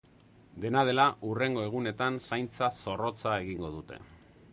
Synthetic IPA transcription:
d̪e̞nað̞e̞laʔure̞ŋɡo̞e̞ɣ̞une̞t̪ansajnt͡saso̞ro̞t͡sae̞ɣiŋɡo̞ðut̪e̞̰

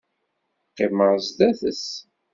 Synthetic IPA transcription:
qːɪməɾzd̪æθəs

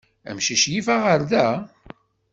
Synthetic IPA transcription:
æ̰mʃiʃjifæʁəɾðæ

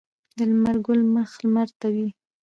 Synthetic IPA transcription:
d̪əlmaɾɡʊlməxlmaɾt̪awi

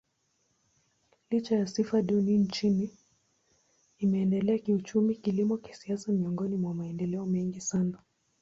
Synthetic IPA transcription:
lit͡ʃajasifaɗunint͡ʃini | mɛːndɛlɛakiut͡ʃumikilimɔki̥siasamiɔŋɡɔnimwamaɛndɛlɛɔmɛŋɡisana

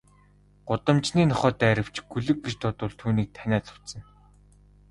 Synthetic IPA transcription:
ɢ̥ʊt̪ə̆mt͡ɕniːnɔχɔːt̪ːæːɾə̆w̥t͡ɕɡ̥ɵɮɘ̆kɡet͡ɕt̪ʰʊt̪ʊːɮt̪ʰuːniːk̚t̪ʰænʲæːɮʊ̥w̥t̪sə̆n

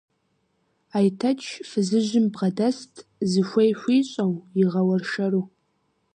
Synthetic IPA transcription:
ajtʰɐt͡ʃʰfɨzɨʒɪmbʁɐdɐstʰʼzɨʃʷejɕʷiːɕʼɐwjiʁɐwɐrʃɐruː

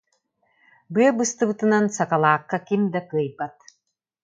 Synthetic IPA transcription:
bɯɐbɯst̪ɯbɯt̪ɯnansakalˠaːqːakimd̪akɯɐjbat̪̚

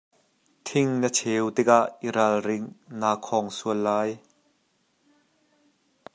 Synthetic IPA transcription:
t̪ʰɪŋnət͡sʰɛwt̪ɪk̚aʔiɾalrɪŋnaːkʰɔŋsuəlːaːj

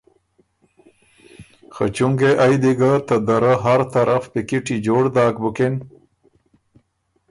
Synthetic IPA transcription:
xə̰t͡ʃuŋɡeʔajd̪iɡat̪əd̪əɾəɦaɾt̪aɾafpikiʈid͡ʒoːɽd̪aːkbuken

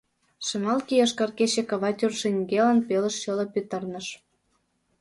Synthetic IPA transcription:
ʃɤ̆mɑlkijɤʃkɑrket͡ɕĕkɑβɑtʲurʃeŋɡelɑnpelə̆ʃʃɤlɤ̆pyt̪ɤ̆rnə̆ʃ

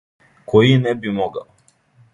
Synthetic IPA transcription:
kojinɛbimoɡa̰

